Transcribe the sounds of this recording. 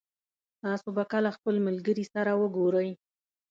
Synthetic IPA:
t̪ɑsobakalaxpəlmalɡəɾisaɾawəɡoɾəj

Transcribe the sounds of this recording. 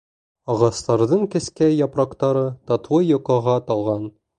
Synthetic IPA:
ɒʁɑst̪ɑɾðɤɴkɘ̆skæjɒpɾɑqt̪ɑɾɤt̪ɑt̪wɤjŏqˠɑʁɑt̪ɒlˠʁɑn

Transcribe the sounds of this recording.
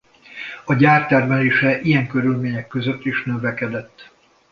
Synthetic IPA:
ɒɟaːrt̪ɛrmɛleːʃɛʔijɛŋkø̞ɾylmeːɲɛkːøzøt̪ːiʃnøvɛkɛd̪ɛt̪ː

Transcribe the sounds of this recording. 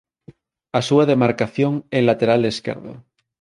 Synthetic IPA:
asuaðemaɾkaθjoŋelat̪eɾale̞skḛɾðo̰

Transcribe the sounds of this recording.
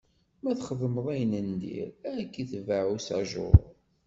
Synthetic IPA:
mæθχəðˤəməðˤæjənənd̪ḭɾkːiθvaʕusa̰ʒʊ̰ɾˤ

